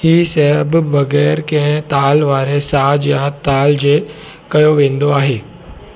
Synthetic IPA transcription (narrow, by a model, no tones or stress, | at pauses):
hiːsɐɦəbbɐɣɛːɾkɐ̃ɦɪ̃t̪aːlʋaːɾesaːd͡ʑjaːt̪aːld͡ʑeː | kɐjoʋẽːnd̪oaːɦeː